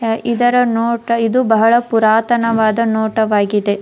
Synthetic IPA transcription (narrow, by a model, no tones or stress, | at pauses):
id̪ɐɾɐnoːʈɐid̪ubɐɦɐɭɐpuɾaːt̪ɐnɐʋaːd̪ɐnoːʈɐʋaːɡid̪e̞